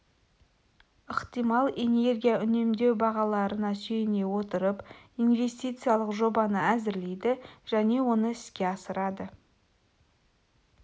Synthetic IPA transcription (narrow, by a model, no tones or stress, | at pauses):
əqt̪ijmɑlˠe̞ne̞rɡʲijaʔʏne̞md̪e̞wbɑʁɑlˠɑɾənɑsɵjɪne̞wo̞t̪əɾəpinve̞st̪ijt̪sɨjalˠəqʒo̞bɑnəæzɪɾle̞jd̪ɪʒ̥æne̞wo̞nəɪskʲeɑsəɾɑd̪ə